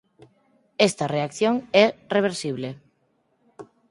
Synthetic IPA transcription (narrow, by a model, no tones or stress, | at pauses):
est̪ɐreakθjoŋɛreβ̞eɾsiβ̞le